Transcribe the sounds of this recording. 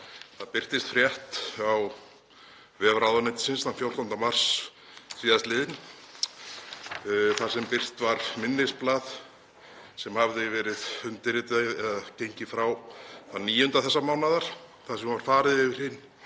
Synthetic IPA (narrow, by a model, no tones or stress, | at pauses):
θaðpɪr̥t̪ɪst̪fɾjɛht̪aw | vɛːvɾawðanɛjt̪ɪ̥sɪnsθanfjowɾ̥t̪ant̪amar̥s | siːðast̪lɪːðɪn | θḁsɛmpɪr̥t̪vaɾmɪnːɪsplaːð | sɛmhavðɪvɛːɾɪðʏnt̪ɪɾɪt̪ɪɛðacejɲcɪfɾawθaniːjʏnt̪aθɛsːamaːwnaðaɾ̥ | θasɛmvaɾ̥faːɾɪðɪvɪɾ̥hɪnː